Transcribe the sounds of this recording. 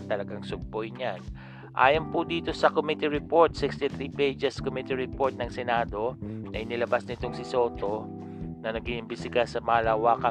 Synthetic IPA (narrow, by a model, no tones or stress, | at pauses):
t̪ɐlɐɡaŋsʊɡ̚pojɲan | ʔa̰ːjɐnpʊd̪iːt̪o̞sɐkomit̪iɹɪpo̞ɹt̪̚sɪkst̪ɪθɾiːpejd͡ʒɛskomit̪iɹɪpo̞ɹt̪̚nɐŋsɛnaːd̪o̞ʔɐjnɪlɐbasnɪt̪o̞ŋsɪso̞ːt̪o̞ | nɐnɐɡiʔɪmbɪsɪkasɐmɐlaːwaːkɐ